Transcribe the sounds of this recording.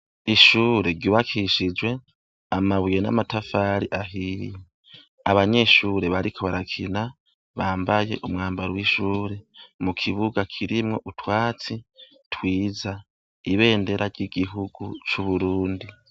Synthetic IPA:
iʃuːɾe̞ɾɟuːβakʰiʃid͡ʒwe̞ | amaβujenamatafaɾiʔaɦije | aβaɲe̞ʃuːɾe̞βaɾikʰo̞βaɾakʰina | βaːmbajeʔumŋaːmbaɾowiʃuːɾe̞mukʰiβuɡakʰiɾimŋo̞ʔutʰwaːt͡si | tʰwiːza | iβe̞ːnde̞ɾaɾɟiɡiɦuɡut͡ʃuβuɾuːndi

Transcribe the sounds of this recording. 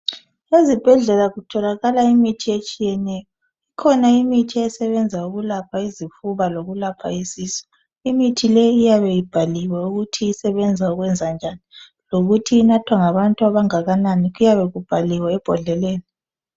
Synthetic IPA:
ezib̥ʱɛɮɛlaɣutʰɔlaɣalaimitʰiet͡ʃʼijɛnɛjɔ | ikʰɔnaimitʰiɛsɛβɛnd͡zʱauɣulapʰaizifuβaloɣulapʰa̰isiːsɔ̥ | imitʰilɛːjaβɛjib̥ʱaliwɛuɣutʰiisɛβɛnd͡zʱauɣwɛnd͡zʱand͡ʒʱani | loɣutʰiːnatʰwaŋaβantʼuaβaŋaɣananiɣujaβɛɣub̥ʱaliwɛːb̥ʱɔɮɛleːni

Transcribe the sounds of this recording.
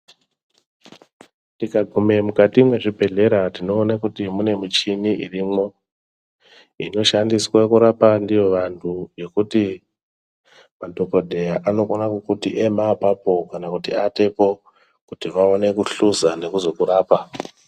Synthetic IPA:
ndikaɡʱume̞mukatimwe̞ʐibʱe̞ɮe̞ɾatino̞ːnakutimune̞mit͡ʃiniʔirimo̞ | ḭno̞ʃandiswakuɾapandijo̞ʋantʰuje̞kuti | madʱo̞ko̞dʱe̞jaʔano̞konakukutiʔemapapo̞kanakutiate̞po̞ | kutiʋaone̞kuɬuzane̞kuzo̞kuɾaːpa

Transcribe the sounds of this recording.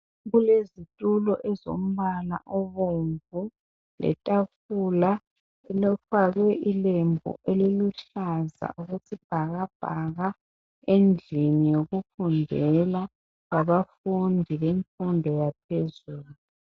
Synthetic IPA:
ɣulezitʼulɔʔɛzo̰m̩βala̰ʔɔβoɱvu | lɛ̰tʼafula | ɛlɔfaɣwɛʔilembʱɔ̰ʔeliluɬaza̰ʔuɣutʰib̥ʱaɣab̥ʱaɣa | end͡ɮʱinijoɣufundʱɛla | ɣaβafundʱiβeɱfundʱɔjap̚ʰezuːluu

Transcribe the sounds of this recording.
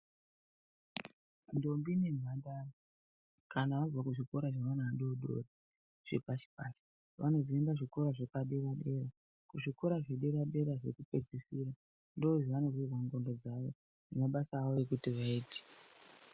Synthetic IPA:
ndo̞mbine̞nwandaro | kanaʋab͡vakuʐiko̞ɾaʐaʋanaaɗoɗo̰ri | ʐ̥e̞paʃi̥paːʃi̥ | ʋʔano̞ziimbaʐiko̞ɾaʐekaɗeuɗe̞ra | kuʐiko̞ɾaʐeɗeɾaɗe̞ɾaʐe̞̰kupe̞d͡zisiːra | ndo̞oʐiʋano̞ʐirwaŋɡo̞ndo̞d͡zaʋo̞ | nemaɓasaːʋoekutiʋaiːte̥

